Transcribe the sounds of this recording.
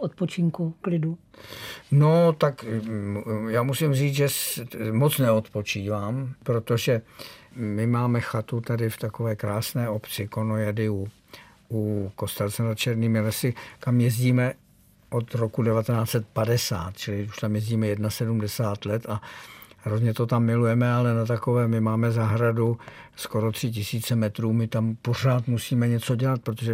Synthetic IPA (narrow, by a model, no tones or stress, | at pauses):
ʔot̪̚pot͡ʃɪŋkuklɪdu | not̪ak | jaːmusɪmriːt͡sʒɛsmo̞t͡snɛot̪po̞t͡ʃiːvaːmpɾo̞t̪o̞ʒɛ | mɪmaːmɛxat̪ut̪adɪft̪ako̞vɛːkɾaːsnɛːʔo̞pt͡sɪko̞nojadɪu | ʔuko̞st̪ɛlt͡sɛnat̪t͡ʃɛɾniːmɪlɛsɪkamjɛzɟiːmɛ | ʔo̞t̪ɾo̞kudɛvat̪ɛnaːt͡sɛt̪̚padɛsaːt̪̚t͡ʃɪlɪuʃt̪amjɛzɟiːmɛjɛdnasɛdumdɛsaːt̪lɛt̪aɦɾozɲɛt̪o̞t̪amːɪlujɛmɛalɛnat̪̬ako̞vɛːmɪmaːmɛzaɦɾadusko̞ɾo̞t̪r̝̥ɪc̬ɪsiːt͡sɛmɛt̪ɾuːmɪt̪ampo̞r̝aːt̪musiːmɛɲɛt͡so̞ɟɛlat̪̚pɾot̪oʒɛ